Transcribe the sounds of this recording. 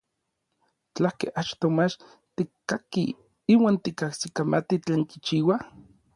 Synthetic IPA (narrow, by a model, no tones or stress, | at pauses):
t͡ɬahkeʔat͡ʃt̪omat͡ʃ | t̪ikkːaki | iːwaːnt̪ikahsikamat̪it͡ɬeːŋki̥t͡ʃiːwa